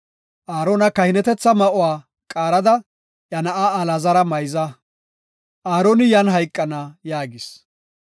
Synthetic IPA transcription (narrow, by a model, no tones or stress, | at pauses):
ʔaːɾoːnɐkɐhɪnɛt̪ɛt͡sːɐmɐʔʊwaː | kʼaːɾɐd̪ɐ | ʔɐnɐʔaɐlɐzɐɾɐmɐjzɐ | ʔaːɾonɪjɐnɦɐjkʼːɐnɐjaːɡɪs